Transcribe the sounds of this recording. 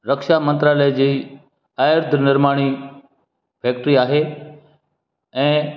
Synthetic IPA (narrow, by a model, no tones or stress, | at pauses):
ɾɐkʃamɐ̃nt̪ɾaːləjd͡ʑiː | aːjəɾd̪ʱnɪɾmaːɽ̃i | pʰeːk̚ʈɾiaːɦe | ɛ̃ː